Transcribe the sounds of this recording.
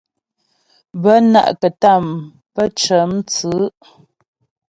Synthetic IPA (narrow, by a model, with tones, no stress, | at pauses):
bə˦na̰˦˨ʔkə˨ta˦˨m | pə˦t͡ʃə˨˦mt͡sɨ˨˦